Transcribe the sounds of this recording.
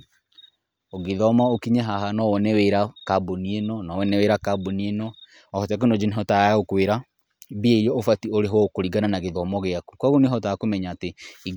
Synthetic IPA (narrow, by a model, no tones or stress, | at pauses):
oɣeðɔmaokiɲɛɦaɦanɔwɔnɛweɾakabonienɔnɔwɛnɛweɾakabonienɔ | ɔhɔtak̬onɔd͡ʒineɦɔtaaaokweɾa | bieiɾɔofatioɾeɦwɔkoɾiɡananaɣeðɔmɔɣeaku̥kwaɣoneɦɔtakomɛɲaːtei